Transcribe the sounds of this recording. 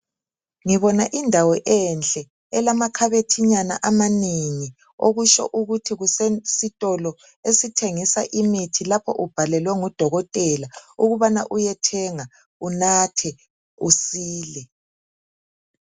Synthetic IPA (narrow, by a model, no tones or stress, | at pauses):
ŋiβɔnaʔindʱawɔʔɛnt͡ɬʼɛ | ɛlamakʰaβetʰiɲana̰ʔamaniŋi | oɣuʃɔ̰ʔuɣutʰiɣusesitʼɔlɔ | esitʰeŋisaʔimitʰilapʰɔ̰ʔub̥ʱalɛlwɛŋud̥ʱɔɣɔtʼɛlauɣuβana̰ʔujɛtʰɛŋa | unatʰɛ | usiːlɛ